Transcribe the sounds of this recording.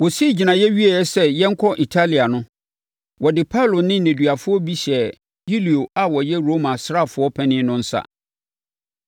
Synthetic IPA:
wɔ˨si˦˨d͡ʑi˨nã˨jɛ˦ɥi˦a˨jɛ˦sɛ˦jɛ˦ŋ̩˦kʰɔ˦ʔi˨tʰa˦li˨a˨nʊ̃˦ | wɔ˨dɪ˨pʰa˦lʊ˨nɪ̃˦n̩ː˦æ̃˨dɥa˨fʊ˦ɔ˦bi˦ɕɛ˨ | ji˦li˨o˨a˨wɔ˨jɛ˦ɾo˦mã˨sɾa˦˨fʊ˦ɔ˦pʰɛ̃˦nɪ̃˦nʊ̃˦n̩˦sa̰˦

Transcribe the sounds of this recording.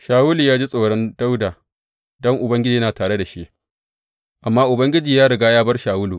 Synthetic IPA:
ʃaː˨wu˦luː˨jaː˦d͡ʒi˦sʼoː˨ɽɔ˦nda˦wdaː˨ | dɔ˦ŋʔʊ˨bɐ˦ŋɡʲɪ˦d͡ʒiː˨˦jnaː˨taː˨ɽe˦da˨ʃi˦ʔ | ʔa˨mːaː˦ʔʊ˨bɐ˦ŋɡʲɪ˦d͡ʒiː˨jaː˦ɽɐ˨ɡaː˦jaː˦bɐ˦rʃaː˨wʊ˦luː˨

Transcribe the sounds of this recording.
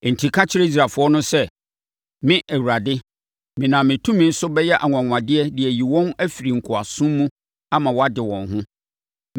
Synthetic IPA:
n̩˨tʰi˨kʰa˦t͡ɕʰɪ˦ɾɛ˦i˦s̬ɾa˨fʊ˦ɔ˦nʊ̃˦sɛ˦ | mɪ̃˦ʔɛ˨wɾa˨dɪ˦ | mɪ̃˨nã˨mɪ̃˨tʰũ˦mĩ˦n̩˦sʊ˦bɛ˦jɛ˦ʔa˨ŋʊ̃˨ã˨ŋʷ˨ã˨dɪ˦ɛ˦dɪ˨ɛ˨ji˨wɔ̃˦næ˦fi˨ɾi˨ŋ̩˨kʰʊ˨a˨sʊ̃˦mː˦ũ˦ | a˦mã˨wɔ˦a˦dɪ˨wɔ̃˨nɦʊ̃˦

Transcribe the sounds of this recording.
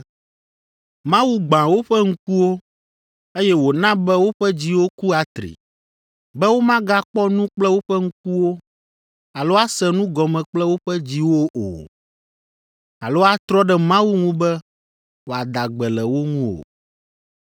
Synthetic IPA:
mã˦wu˦ɡ͡bã˨wo˦ɸɛ˦ŋ̩˦ku˦wo˦ | e˦jɛ˦wo˨nã˦bɛ˦wo˦ɸɛ˦d͡ʑi˦wo˦ku˦a˨t̪ɾḭ˨ | bɛ˦wo˦mã˦ɡa˦k͡pɔ˦nũ˦k͡plɛ˦wo˦ɸɛ˦ŋ̩˦ku˦wo˦ | a˨lo˦a˦sɛ˦nũ˦ɡɔ˨mɛ̃˨k͡plɛ˦wo˦ɸɛ˦d͡ʑi˦wo˦ʔo̰˨ | a˨lo˦a˦t̪ɾɔ˦ɖɛ˦mã˦wu˦ŋũ˦bɛ˦ | wo˨a˨d̪a˨ɡ͡bɛ˨lɛ˨wo˦ŋũ˦o̰˨

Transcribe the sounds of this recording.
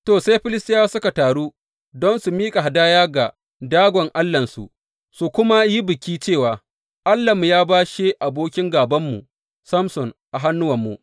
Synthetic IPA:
toː˨sa˦jɸɪ˦lɪ˦stɪ˦aː˦sʊ˦ka˨taː˨ɽuː˦ | dɔ˦nsu˨miː˦kʼa˨ɦa˨daː˦jaː˦ɡa˨ | daː˦ɡʷɔ˨ŋʔa˦lːɐ˨nsṵ˨ʔ | su˨kʷʊ˦ma˦ji˦bɪ˨kʲiː˦t͡ʃeː˦˨waː˨ | ʔa˦lːɐ˨m˨jaː˦baː˦ʃe˦ʔa˨boː˦kʲɪ˦ŋɡaː˨bɐ˦mːṵ˨ | sɐ˦msɔ˨ŋʔa˨ɦa˦nːʊ˦wɐ˨mːṵ˨ʔ

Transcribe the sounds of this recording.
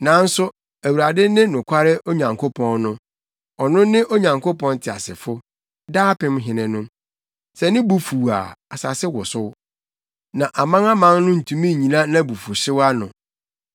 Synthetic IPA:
nã˨˦n̩˦sʊ˦ | æ˨wu˨ɾa˨dɪ˦nɪ̃˦nʊ̃˨kʰʷa˦ɾɪ˦ʔo˦ɲã˨ŋkʰo˦pʰɔ̃˦nnʊ̃˦ | ɔ˨nʊ̃˦nɪ̃˦ʔo˦ɲã˨ŋko˦pɔ̃˦n˦tʰɪ˨a̰˨sɪ˨fʊ˦ | daː˦pɪ̃˦m˦ɦɪ̃˨nɪ̃˨nʊ̃˦ | sɛ˨nɪ̃˦bu˨fu˨a̰˨a˨sa˨sɪ˦wʊ˨sʊ˦ | nã˨ʔa˨mã˦ŋa˦mã˦ŋnʊ̃˦n̩˨tʰũ˦mĩ˦˨ɲĩ˨nã˦nã˦˨bu˨fu˨ɕɪ˦wa˦nʊ̃˨

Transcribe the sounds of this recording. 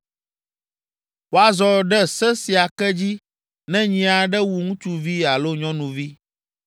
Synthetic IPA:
wo˨a˨zɔ˨ɖɛ˦sɛ˦si˨a˨kɛ˦d͡ʑi˦ | nɛ̃˦ɲĩ˨a˨ɖɛ˦wu˨ŋũ˦t͡ʃu˦vi˦a˨lo˦ɲɔ̃˦nũ˨vi˦

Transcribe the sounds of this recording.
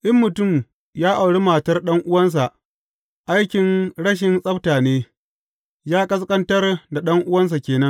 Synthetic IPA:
ʔɪ˦mːʊ˨tʊ˦˨m | jaː˦ʔa˨wɽi˦maː˨tɐ˦rɗɐ˦ŋʔʊ˦wɐ˦ns̬a˨ʔ | ʔa˦jkʲɪ˨nɽɐ˦ʃ̬ɪ˨nsʼɐ˦btaː˨neː˦ | jaː˦kʼɐ˦s̬kʼɐ˦ntɐ˦rda˨ɗɐ˦ŋʔʊ˦wɐ˦ns̬a˨kʲeː˨nɐ˦n

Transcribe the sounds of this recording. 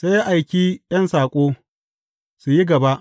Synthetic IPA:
se˦ja˦ʔa˨jkʲiː˦jɐ˦nsaː˨kʷʼoː˦ | su˨ji˦ɡɐ˨ba˦ʔ

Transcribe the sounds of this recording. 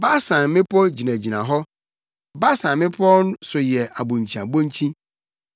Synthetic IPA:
ba˦sã˨mɪ̃˦pʰɔ˦d͡ʑi˨nã˨d͡ʑi˨nã˨ɦɔ˦ | ba˦sã˨mmɪ̃˦pʰɔ˦nʊ̃˦sʊ˨jɛ˨a˨bõ˨ɲ˨t͡ɕʰĩ˨a˨bõ˦ɲ˦t͡ɕʰĩ˦

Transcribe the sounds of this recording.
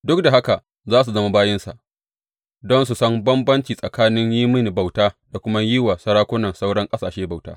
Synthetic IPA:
dʊ˦k̚da˨ɦa˦ka˨ | zaː˦s̬u˨zɐ˦ma˦baː˦jɪ˦nsa̰˨ʔ | dɔ˦ns̬u˨sɐ˦mbɐ˦mbɐ˦nt͡ʃiː˨sʼɐ˨kaː˦nɪ˦ɲjiː˦mɪ˦ni˨ba˨wtaː˦da˨kʷʊ˦ma˦jɪ˦wa˨sɐ˦ɽaː˦kʷʊ˦nɐ˨nsa˦wɽɐ˦ŋkʼɐ˦saː˨ʃeː˦ba˨wta̰ː˦

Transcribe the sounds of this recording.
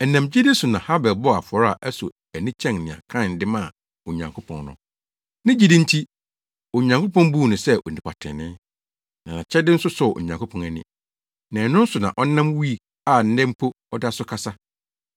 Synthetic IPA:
ɛ˨nã˨md͡ʑi˦dɪ˦sʊ˨nã˨ha˦bɛ˨lbɔ˦a˨fɔ˨ɾa˨ʔɛ˦sʊ̰˨ | æ˨nɪ̃˦t͡ɕʰɛ̃˦˨nnɪ̃˨a̰˨kʰã˦˨n̩˨dɪ˦mã˦˨ | o˨ɲã˨ŋkʰo˦pʰɔ̰̃˨nnʊ̰̃˨ | nɪ̃˦d͡ʑi˦dɪ̃˦n̩˦tʰi˦ | o˨ɲã˨ŋkʰo˦pɔ̃˦nbu˦˨nʊ̃˨sɛ˦ʔo̰˨nĩ˨pʰa̰˨tʰɪ̰̃˨nɪ̃˦ | nã˨nã˨t͡ɕʰɛ˦dɪ˦n̩˦sʊ˦sɔ˨ʔo̰˨ɲã˨ŋkʰo˦pʰɔ̃˨næ˨nɪ̰̃˨ | nã˨nʊ̃˦n̩˦sʊ˨nã̰˨ʔɔ˦nã˦mwi˦˨ | a˦˨n̩˦dɛ̃˦m˦pʰo˦ | ɔ˦da˦sʊ˦kʰa˦sa˦

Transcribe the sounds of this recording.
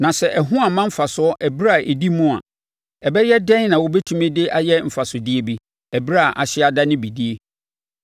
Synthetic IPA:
nã˨sɛ˨ʔɛ˨ɦʊ̃˦a˨mã˦m̩˦fa˨sʊ˨˦ɔ˦ʔɛ˨bɾa˦a˨ʔe˨di˦mũ˦a̰˨ | ɛ˨bɛ˦jɛ˦dɛ̃˦n˦nã˨wʊ˦bɛ˦tʰũ˦mɪ̃˦dɪ˦ʔa˨jɛ˦m̩˨fa˨sʊ˨dɪ˦e˦bi˦ | ɛ˨bɾa˦˨ʔa˨ɕɪ˦a˨da˦nɪ̃˦bi˨di˦e˦

